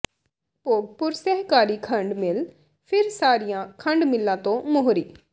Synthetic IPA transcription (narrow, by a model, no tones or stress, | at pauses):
poːɡ̚pʊɾsɛːɦkaːɾiːkʰə̃ɳɖmɪl | pʰɪɾsaːɾijãːkʰəɳɖmɪlːãːt̪õːmʊɦɾiː